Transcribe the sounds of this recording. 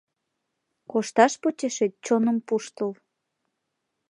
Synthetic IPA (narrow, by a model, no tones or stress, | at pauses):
koʃt̪ɑʃpot͡ɕeʃet͡ɕonə̆mpuʃt̪əl